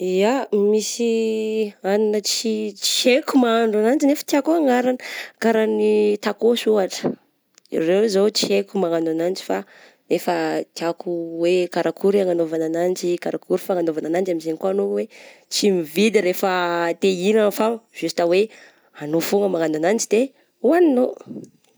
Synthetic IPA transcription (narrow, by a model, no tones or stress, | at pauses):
iamisi | aninət͡sit͡ʃi̥ekumaaɳɖ͡ʐanand͡ʒinefə̥t̪iakuaŋaɾanəkaɾanit̪akosuaʈ͡ʂə̥ | ḭrewzot͡ʃiekumaŋananand͡ʒi̥fa | nefət̪iakuwekaɾakuɾiaŋanovananand͡ʒikaɾakuɾifaŋanovananand͡ʒamizenikoanowet͡simivid̪iɾefət̪einanfaz̥ust̪awe | anofuŋəmaŋananand͡ʒid̪e | uanino